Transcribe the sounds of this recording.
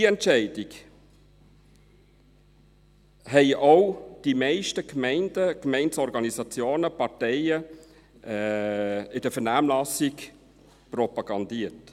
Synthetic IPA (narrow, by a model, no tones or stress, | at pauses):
iɛntʃɛɪdɪɡ | hɛɪʔoʊd̥imɛɪʃtəkmɛɪndəkmɛɪnsɔɾɡɑnisɑt͡sjoːnəpɑɾtɛɪə | ɪd̥əfɛɾnæːmlɑsɪk | pɾɔpɑɡ̥ɑnd̪iːət